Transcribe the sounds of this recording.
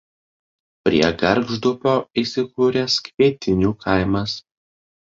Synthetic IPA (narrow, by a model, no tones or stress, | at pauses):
pʲɾʲiɛɡɐɾɡʒd̪ʊpʲoːiːsʲɪkuːɾʲɛskʋʲiɛt̪ʲɪnʲuːkʰɐɪmɐs